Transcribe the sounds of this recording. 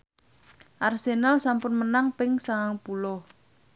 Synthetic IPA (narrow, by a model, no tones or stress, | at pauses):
ʔarsenalsampʊnmənaŋpɪŋsaaŋpulɔ